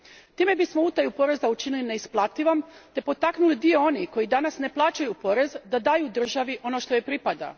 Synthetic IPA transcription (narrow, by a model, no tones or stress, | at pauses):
t̪iːme̞bismo̞ut̪ajupo̞ɾe̞zaut͡ʃinilineisplˠat̪iʋamt̪e̞po̞t̪aknulid̪ijo̞o̞niko̞jid̪anasne̞plˠaːt͡ʃajupo̞ɾe̞zd̪ad̪aːjud̪r̩ʒaʋiʔo̞no̞ʃt̪ojepɾipad̪a̰